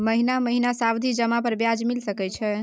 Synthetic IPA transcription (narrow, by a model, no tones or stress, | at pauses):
məɦinaməɦinasabd̪ʱid͡ʒəmapəɾbjad͡ʒmilsəkɛt͡ʃʰɛ